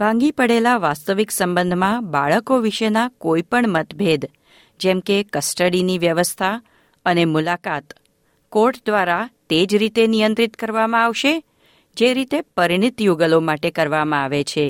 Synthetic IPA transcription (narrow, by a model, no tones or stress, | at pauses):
bʱãŋɡipəɽelaʋast̪əʋiksəmbənd̪ʱmãbaɭəkoʋiʃənakoipəɳmət̪bʱed̪ | d͡ʒɛmkekəsʈəɽiniʋjəʋəst̪ʰa | ənemulakat̪ | koɾʈd̪ʋaɾat̪ed͡ʒɾit̪enijənt̪ɾit̪kəɾʋamãaʋʃe | d͡ʒeɾit̪epəɾiɳ̃it̪juɡəlomaʈekəɾʋamãaʋet͡ʃʰe